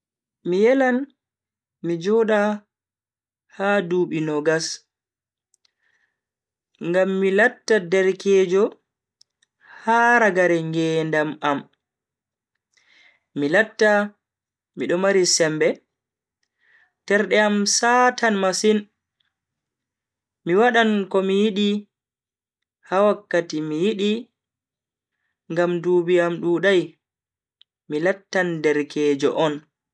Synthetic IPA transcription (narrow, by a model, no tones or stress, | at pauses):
mijɛlan | mid͡ʒɔɗa | haduːɓinɔɡas | ŋɡamːilatːadɛɾkɛːd͡ʒɔ | haːɾaɡaɾɛŋɡɛːndamam | milatːa | miɗɔmaɾisɛmbɛ | tɛɾɗɛamsatanmasin | miwaɗankɔmijiɗi | hawakːatimijiɗi | ŋɡamduːbiamɗuːɗaj | milatːandɛɾkʰɛːd͡ʒɔ̰ʔɔn